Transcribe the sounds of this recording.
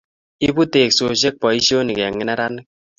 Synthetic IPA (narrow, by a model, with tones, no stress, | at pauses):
i˦bu˦te˨kso˨ʃ̬e˦k̚pɔ˨i˦ʃi˦o˦ni˨kɛ˨ŋːɪ˦na˦ɾa˦nɪ˦k̚